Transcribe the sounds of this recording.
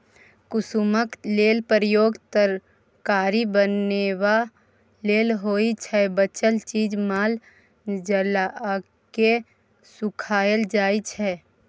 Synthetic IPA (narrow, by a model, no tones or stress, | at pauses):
kʊsuməkleːlpɾəjoːɡt̪əɾ | kaːɾibənːewa | leːlɦoit͡ʃʰɛbət͡ʃəlt͡ʃiːd͡ʒmaːl | d͡ʒəla | ke | sʊkʰaːjəld͡ʒaːit͡ʃʰɛ